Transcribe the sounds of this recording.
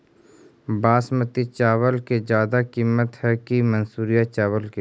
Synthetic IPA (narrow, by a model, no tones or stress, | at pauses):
baːsmət̪it͡ʃaːʋəlked͡ʒjaːd̪akiːmːət̪hɛkimɐnsuːɾijat͡ʃaːʋəlke